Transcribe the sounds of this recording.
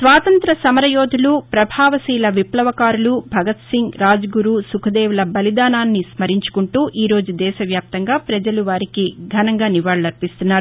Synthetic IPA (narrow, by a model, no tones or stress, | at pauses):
sʋaːt̪ɐnt̪ɾɐsɐmɐɾɐjoːd̪ʱulupɾɐbʱaːʋɐsiːlɐʋiplɐʋɐkaːɾulubʱɐɡɐt̪siŋɡɾaːd͡ʒɐɡuɾuːsukʰɐd̪ɛːʋulɐbɐlid̪aːnaːnːismɐɾiɲt͡ʃu̥kuɳʈuːʔiːɾo̞ːd͡ʒud̪ɛːʃɐʋjaːp̚t̪ɐŋɡaːpɾɐd͡ʒɐluʋaːɾikiɡʱɐnɐŋɡaːniʋaːɭlɐɾpist̪unːaːɾu